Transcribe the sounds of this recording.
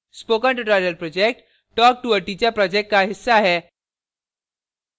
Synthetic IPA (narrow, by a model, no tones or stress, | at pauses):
spokə̃ɳʈuʈaɾiəlpɾɔd͡ʑek̚ʈ | ʈɔk̚ʈuəʈit͡ɕjapɾɔd͡ʑek̚ʈkaɦisːaːɦe